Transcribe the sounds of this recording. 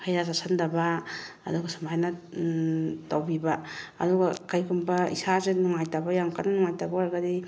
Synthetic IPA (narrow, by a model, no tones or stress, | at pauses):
kʰajɾasasʰandaba̰ːduɡɐsumajna | tawbiba̰ːduɡakajkʰumbɐḭsazenuŋajtabajamkananuŋajtabaaɾɡadi